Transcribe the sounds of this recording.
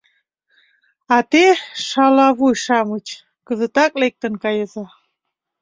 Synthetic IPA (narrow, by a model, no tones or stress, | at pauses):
ɑt̪eʃɑlɑβujʃɑmət͡ɕ | kəzə̆t̪ɑklek̚t̪ə̆nkɑjəzɑ